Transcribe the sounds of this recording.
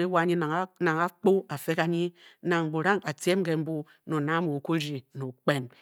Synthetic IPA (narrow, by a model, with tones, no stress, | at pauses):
e˦wa˦˨ɲi˦˨˦na˨ŋa˦k͡po˦a˨fe˦ka˨ɲi˦na˨ŋŋ͡m̩˨bu˨ɾa˦ŋa˨te˦m˦ke˨m̩˦bu˦ | no˨na˦mo˨ku˦ɾi˨no˨k͡pe˦n